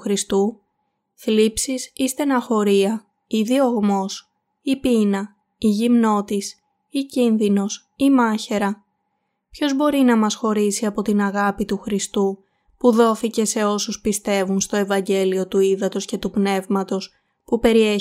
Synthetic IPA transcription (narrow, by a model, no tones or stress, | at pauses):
xɾist̪u | θlipsisist̪enɐxo̞ɾiɐ | iðio̞ɣmo̞s | ipinɐ | iʝimno̞t̪is | icinðino̞s | imɐçe̞ɾɐ | pço̞zbo̞ɾinɐmɐsxo̞ɾisiɐpo̞t̪inɐɣɐpit̪uxɾist̪u | puðo̞θice̞se̞o̞suspist̪e̞vunst̪o̞e̞vɐɲɟe̞lio̞t̪uiðɐt̪o̞sce̞t̪upne̞vmɐt̪o̞s | pupe̞ɾie